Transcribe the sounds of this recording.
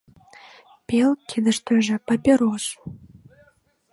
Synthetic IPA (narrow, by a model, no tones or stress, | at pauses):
pelkʰed̪ə̆ʃt̪øʒĕpɑpʲeɾoʃ